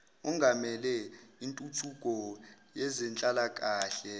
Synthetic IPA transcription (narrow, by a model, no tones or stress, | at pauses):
ɔŋʱamɛlɛintʼutʰuk̬ʼɔjɛzɛnt͡ɬʼalakʼaːɬɛ